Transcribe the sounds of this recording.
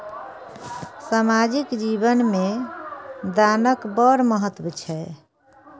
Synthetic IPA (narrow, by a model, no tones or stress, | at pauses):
samad͡ʒikd͡ʒibənme | d̪anəkbəɾməɦət̪wut͡ʃʰɛ